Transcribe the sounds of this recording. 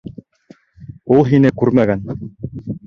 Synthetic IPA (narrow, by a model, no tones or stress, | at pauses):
ulˠɦinɘkʉɾmæɡæn